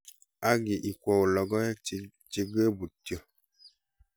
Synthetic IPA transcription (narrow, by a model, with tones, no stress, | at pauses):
a˦ɡi˨ʔi˨kʷɔ˨wo˨lɔ˨ɡɔ˦ɛ˦˨ | t͡ʃi˦ɡe˦bu˨ti˨ɔ˨